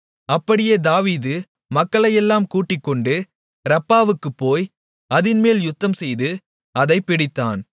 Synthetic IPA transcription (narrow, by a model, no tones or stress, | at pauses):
ɐpːɐɽɪjeːd̪aːʋiːðɯ | mɐkːɐɭɐjɛlːaːmkuːʈːɪkːɔɳɖɯ | ɾɐpːaːʋɯkːɯpːoːj | ɐðɪnmeːljʊt̪ːɐmsɛjðɯ | ɐðɐɪpːɪɽɪt̪ːa̰ːn